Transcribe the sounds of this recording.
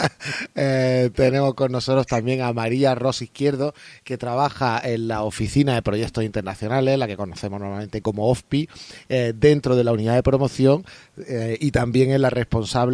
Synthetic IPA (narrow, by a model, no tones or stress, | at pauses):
et̪e̞nẽ̞mo̞sko̞nːo̞so̞t̪ɾo̞st̪ambje̞ŋamaɾiaro̞sihkje̞ɾð̞oke̞t̪ɾaβaxae̞nlaofiθinaðe̞pɾo̞ʝe̞kt̪oint̪e̞ɾnaθjo̞nale̞zlake̞ko̞noθe̞mo̞no̞mamẽ̞nt̪e̞ko̞mo̞ofpi | d̪e̞nt̪ɾoð̞e̞launiðaðe̞pɾo̞mo̞θjo̞ŋ | it̪ambje̞ŋelare̞spo̞nsaβ